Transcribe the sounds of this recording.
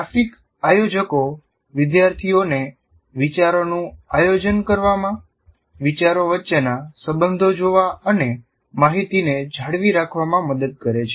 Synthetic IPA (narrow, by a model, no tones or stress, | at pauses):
afik | ajod͡ʒəko | ʋɪd̪jaɾt̪ʰione | ʋit͡ʃaɾonũajod͡ʒənkəɾʋamã | ʋit͡ʃaɾoʋətːʃenasəbənd̪ʱod͡ʒoʋaəne | maɦit̪ined͡ʒʱaɽʋiɾakʰʋamãməd̪əd̪̚kəɾet͡ʃʰe̥